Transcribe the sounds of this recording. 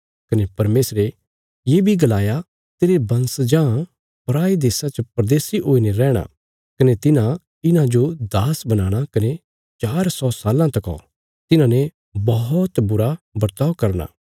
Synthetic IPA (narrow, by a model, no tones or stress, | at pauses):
kɐnepɐɾmeːsɾe | jeːbʱiɡɐlaːja | t̪eːɾebɐ̃nsd͡ʒãː | pɾaːid̪eːsat͡ʃɐpɾɐd̪eːsiʔoːineɾɛːɽ̃a̰ | kɐnet̪ɪnã | ɪnãd͡ʒod̪aːsbɐnaːɽ̃akɐne | t͡ʃaːɾsɔsaːlãt̪ɐkɔ̰ | t̪ɪnãne | bɐɦɔt̪bʊɾabɐɾt̪aːʋkɐɾna̰ː